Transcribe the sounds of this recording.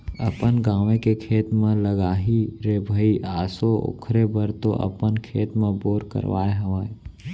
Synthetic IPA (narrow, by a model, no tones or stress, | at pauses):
ɐ̰pənɡaːʋẽkekʰeːt̪mẽləɡaːɦiɾeːbʱəiʔaːsoo̰kʰɾebəɾt̪oʔə̰pənkʰeːt̪mẽboːɾkə̰ɾʋa̰ːeɦɐʋaːe